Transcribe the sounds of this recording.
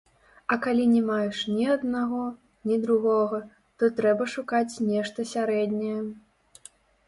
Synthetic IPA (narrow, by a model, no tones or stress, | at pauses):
ɐkalʲinʲɛmajɛʂnʲiɐd̪naɣɔ | nʲid̪ɾuɣɔɣɐ | t̪ɔt̪ɾɛbɐʂukat͡sʲnʲɛʂt̪ɐsʲaɾɛd̪ʲnʲɛjɛ